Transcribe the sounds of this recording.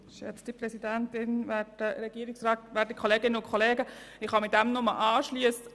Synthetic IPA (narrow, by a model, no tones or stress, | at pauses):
ʃɛ̰t͡sd̥iprɛsidæntɪnʋæːdəɾɛɡ̥iəɾɪksɾɛːtʋæːdəkʰχoleːɡɪnəʊnkʰoleːɡəɪχhɑmɪt̚dɛmnʊməʔɑːʃliəs